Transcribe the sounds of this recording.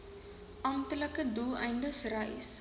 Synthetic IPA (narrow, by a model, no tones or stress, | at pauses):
ʔɐmtələkəduːʔɐjndəsrɐjs